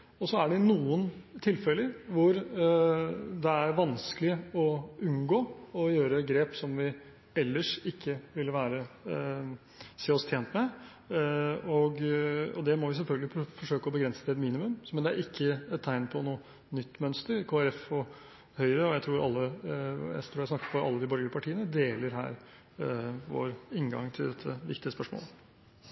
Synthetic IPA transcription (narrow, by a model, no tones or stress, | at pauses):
ɔsɔæɖɛnuːənt̪ʰɪlfɛləɾʋʊɾ | d̪ɛæɾʋɑnsklɪɔʉnɡoːɔjøːɾəɡɾeːpsɔmʋɪ | ɛlːəʂɪkʰːəʋɪlʋæːɾə | seːɔst̪ʰjeːnt̪mɛ | ɔɡɔ̰d̪ɛmɔʋɪs̬ɛlfœlɡəlɪfɔʂøːkəɔbəɡɾɛnsə̥t̪ʰɛt̪miːnɪmʉmmɛnd̪ɛæ̰ɾʔɪkʰːəɛt̪ʰːæɪnpʰɔnuːə | nʏt̪ːmœnst̪əɾkʰoːæɾɛfɔ | hœʏɾəɔjæɪt̪ʰɾuːɾɑlːəjæ̰ɪst̪ʰɾuːɾæɪsnɑkːə̥pʰɔɑlːəd̪ɪbœɾɡəɾpʰɑʈʰiːənəd̪eːləɾɦæ̰ːɾ | ʋo̰ːɾɪŋɡɑ̰ŋt̪ʰɪld̪ɛt̪ʰːəʋɪ̰kt̪ɪəspœʂmo̰ːlə